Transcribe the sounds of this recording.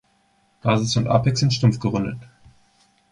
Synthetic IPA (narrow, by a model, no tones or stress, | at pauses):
ɡ̥aːzɪsʊntʔa̰pɛksɪntʃtʊmfɡ̥əʁʏndə̰t